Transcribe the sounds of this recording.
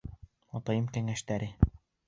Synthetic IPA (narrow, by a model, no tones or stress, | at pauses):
ɒt̪ɑjɤmkæŋæʃt̪æɾɘ